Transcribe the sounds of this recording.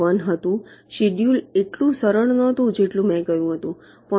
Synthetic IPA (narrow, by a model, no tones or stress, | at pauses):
ənɦət̪ũɕiɖjuːleʈlũsəɾəɭnət̪ũd͡ʑeʈlũmɛ̃kəjũɦət̪ũ | pə